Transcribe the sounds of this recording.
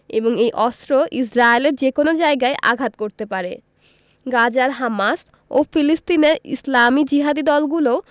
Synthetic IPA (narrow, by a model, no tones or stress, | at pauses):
eboŋejʔɔst̪ɾoʔis̬ɾaeleɾd͡ʑekonod͡ʑaeɡaeʔa̰ɡʱat̪̚koɾt̪epaɾḛ | ɡad͡ʑaɾɦamas | o̰filist̪ineɾḭslamid͡ʑiɦad̪id̪ɔlɡulo